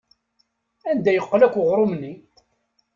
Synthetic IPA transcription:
ænd̪æjəqːlækʷːəʁɾˤomnːi

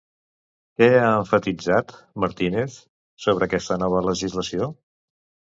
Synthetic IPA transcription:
kɛaəɱfət̪id͡zat̪məɾt̪ineθ | soβ̞ɾəːkɛst̪ənɔβ̞ələʒizləsio

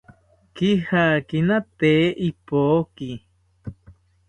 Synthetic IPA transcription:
kihakinat̪eːʔipoːki

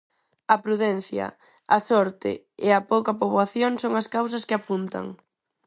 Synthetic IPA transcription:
ɐpɾuðɛn̟θjɐ̰ | ɐsɔɾt̪ɪ̰ | eɐpowkɐpoβwaθjoŋsoŋɐskaws̬ɐskɪapunt̪ɐ̰ŋ

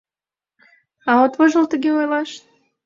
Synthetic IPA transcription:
ɑot̪βoʒə̆lˠt̪ə̆ɡʲeojlˠɑʃ

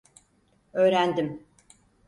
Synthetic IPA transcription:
øːɾænd̪im

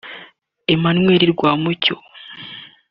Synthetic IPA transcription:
emanŋwe̞ɾiɾɡwaːmuco

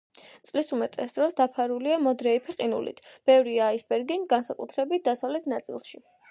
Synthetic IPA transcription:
t̪sʼlisumɛt̪ʼɛsd̪ɾɔsd̪apʰaɾuliamɔd̪ɾɛipʰiqʼinṵlḭt̪ʰb̥ɛvɾiaːisbɛɾɡinɡansakʼṵt̪ʰɾɛbit̪̚d̪asavlɛt̪ʰnat̪sʼḭlˠʃi

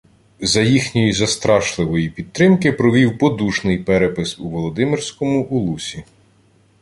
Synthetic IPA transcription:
zɐjixnʲɔjizɐst̪ɾɑʃlˠɪʋɔjipʲid̪̚t̪ɾɪmkɪpɾɔʋʲiwpɔd̪uʃnɪjpɛɾɛpɪsuʋɔlˠɔd̪ɪmɪrsʲkɔmʊʔʊlˠusʲi

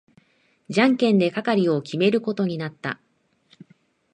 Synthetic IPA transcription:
d͡ʑãŋkẽ̞nd̪e̞kakaɾʲio̞kʲime̞ɾɯ̟ko̞t̪o̞ɲ̟inat̪ːa̰

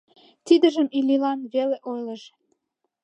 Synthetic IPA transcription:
t̪id̪əʒəmililɑnβeleʔojləʃ

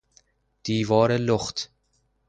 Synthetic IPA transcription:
d̪̥iːvɑːɾəlʊχt̪

